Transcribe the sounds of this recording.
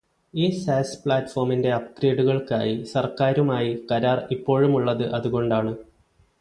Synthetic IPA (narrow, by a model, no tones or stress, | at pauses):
iːsaːspɭaːtːfo̞ːrminde̞ɐp̚kɾeːɖuɣɐɭka̰ːjisɐrkaːɾumaːjikɐɾaːripːo̞ːɻumuɭːɐðɨʔɐðuɣo̞ɳɖaːɳɨ